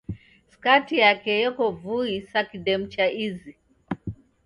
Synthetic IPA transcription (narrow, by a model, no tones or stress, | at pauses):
skatijakɛjɔkɔvuisakiɗɛm̩t͡ʃaʔizi